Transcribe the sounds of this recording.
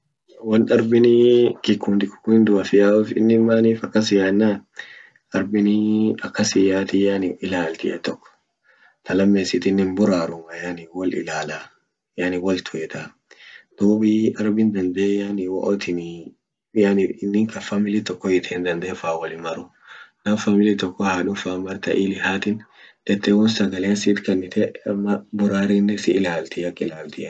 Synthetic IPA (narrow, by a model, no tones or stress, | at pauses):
wɐnt̪ɐɾbɪnɪkɪkːunt̪ɪkːʊ̥kːʊɪnd̪ʊɐfɪjaːɔfɪ̰nːɪmːaːniːfɐkːɐs̬ɪjaːnːa | ɐɾbɪnɪɐkːɐsɪjaːt̪ɪjanɪɪlaːlt̪ɪ̰ʔɛ̰t̪ɔkːɔ̥ | t̪ɐlɐmːeːsɪt̪ɪnːɪnbʊɾaːɾʊmɐjaːnɪwɐlɪ̰laːla | jaːnɪwɐlt̪ʰʊɛt̪ʰa | d̪̥uːbiɐɾbɪnd̪ɐnd̪ejanɪwɔ̰ʔɔt̪ɪn | janɪnːɪŋkɐfamɪlɪt̪ɔkːɔjɪt̪ɪɪnd̪ɐnd̪ɛɛfaːwɐlɪmɐɾʊ | nɐmfamɪlɪt̪ɔkːɔhaːᶑʊfaːmɐɾt̪ɐʔilɪhaːt̪ɪnt̪ɛt̪ːɛwɔnsɐɡɐlensɪːt̪kɐnːɪt̪ʰɛmɐbʊɾaːɾɪnːɛsɪːlaːlt̪ɪɐkʼːɪlaːlt̪ɪʔɛ